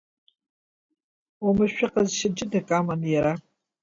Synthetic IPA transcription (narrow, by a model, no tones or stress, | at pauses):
umɨʃʷᶣaqʼazʃɪd͡ʒɪdakʼamanjaɾa